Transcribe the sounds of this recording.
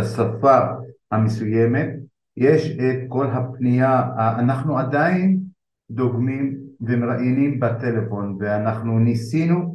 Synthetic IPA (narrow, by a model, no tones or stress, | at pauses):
asafahamesuje̞me̞t̪̚ | jeʃet̪̚ko̞lɦapnijaːnaχnuad̪ain | d̪oɡmimvemeʁaʔinimbat̪elefo̞nveanaχnunisinu